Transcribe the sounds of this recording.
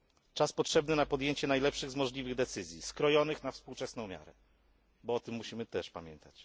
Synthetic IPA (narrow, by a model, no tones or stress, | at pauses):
t͡ʂaspɔtʂɛbnɘnapɔd̪jeɲt͡ɕɛnajlɛpʂɘɣzmɔʐlʲivɘɣd̪ɛt̪sɘzʲjiskɾɔjɔnɘxnafspuwt͡ʂɛsnɔ̃w̃mʲja̰ɾɛ̰ | bɔɔt̪ɘmːuɕimɘt̪ɛʂpamʲjɛnt̪at͡ɕ